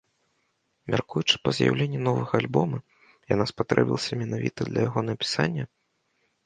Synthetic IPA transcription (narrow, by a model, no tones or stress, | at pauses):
mʲa̰rkujut͡ʂɨ̥pɐzja̰wlʲenʲːunɔvɐɣɐːlʲbɔmɐ | ja̰naspat̪ɾɛ̰bʲilˠɐsʲɐmʲɛnavʲḭt̪ɐd̪lʲɐjaɣɔnɐpʲi̥sanʲːɐ